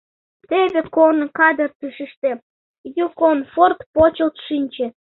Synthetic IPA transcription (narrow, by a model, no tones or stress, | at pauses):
t̪eβekornɤkɑd̪ə̆rt̪ɨʃəʃt̪e | jukonfort̪pot͡ɕə̆lt̪ʃinʲt͡ɕĕ